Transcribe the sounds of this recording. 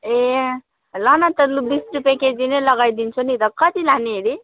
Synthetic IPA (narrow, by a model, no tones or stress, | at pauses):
e | lʌnat̪ʌlubisʈupeked͡zinelʌɡajd̪int͡sʰunit̪ʌkʌt̪ilaniɦeɾi